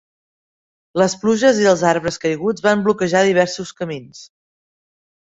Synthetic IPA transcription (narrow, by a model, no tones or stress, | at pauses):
ləspluʒəziəlˠzaɾβɾəskəjɣud͡zβamblukəʒaðiβ̞ɛɾsuskəmins